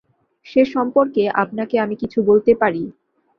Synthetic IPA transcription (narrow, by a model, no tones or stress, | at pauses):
ʃeʃɔmpoɾkeʔa̰pnakeamikit͡ɕʰubolt̪epaɾi